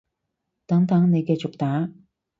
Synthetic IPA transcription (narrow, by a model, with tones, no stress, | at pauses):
t̪a˩˨˦ŋt̪a˧˥ŋne˧ɡe˥˧˩t͡ɕʊ˩˨k̚t̪a˩˦